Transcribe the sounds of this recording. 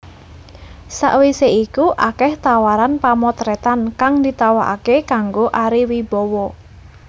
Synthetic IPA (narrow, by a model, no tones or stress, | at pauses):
sa̰ʔwiseikuʔakɛht̪awaɾanpamɔt̪ɾɛt̪ankaŋd̪it̪awaʔa̰kekaŋɡoʔaɾiwib̥ɔwɔ